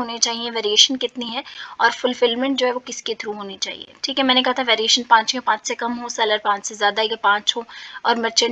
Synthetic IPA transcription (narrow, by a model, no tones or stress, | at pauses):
ɦoːnet͡ʃaːɦiẽʋeːɾieːʃənkɪt̪niɦɛɔːɾfʊlfɪlmɛ̃ɳʈ̚d͡ʒoːɦɛʋokɪsket̪ʰɾuɦoːnit͡ʃa̰ːɦḭḛʈʰiːkɦɛmɛ̃ːnekɐɦat̪ʰaʋeːɾieːʃənpãːt͡ʃẽpãːt͡ʃsekɐmɦosɐləɾpãːt͡ʃsezjaːd̪ajepãːt͡ʃɦoːɔːɾmɐɾt͡ʃə